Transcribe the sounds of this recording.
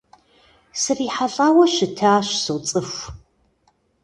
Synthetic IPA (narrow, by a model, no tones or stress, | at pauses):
sɨriːħaɬʼaːwɐʃɨtʰaːɕsɨwt͡sʼɨfʷ